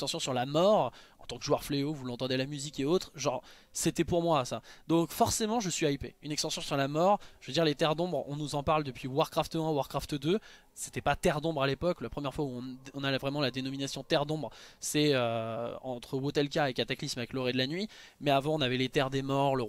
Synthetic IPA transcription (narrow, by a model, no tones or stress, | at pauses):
st̪ɑ̃sjɔ̃syʁlamɔʁ | ɑ̃t̪ɑ̃kʒuœʁfleovulɑ̃t̪ɑ̃d̪ɛlamyzikeot̪χʒɑ̃ʁ | set̪ɛpuʁmwasad̪ɔ̃kfɔʁsemɑ̃ʒəsɥiaipeynɛkst̪ɑ̃sjɔ̃syʁlamɔʁʒ̥vəd̪iʁlet̪ɛʁd̪ɔ̃bʁɔ̰̃nuzɑ̃paʁld̪əpɥiwaʁkχaft̪ɛ̃waʁkχaft̪d̪ø | se̥t̪ɛpat̪ɛʁd̪ɔ̃bʁalepɔklapχəmjɛʁfwauɔ̃ɔ̃nalvʁɛmɑ̃lad̪enɔminasjɔ̃t̪ɛʁd̪ɔ̃bʁsɛøɑ̃t̪χəwot̪ɛlkaekat̪aklismavɛklɔʁɛd̪lanɥi | mɛavɑ̃ɔ̃navɛlet̪ɛʁd̪emɔʁlə